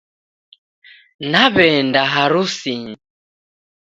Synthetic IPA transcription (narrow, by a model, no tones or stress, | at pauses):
naβɛndaɦaɾusiɲ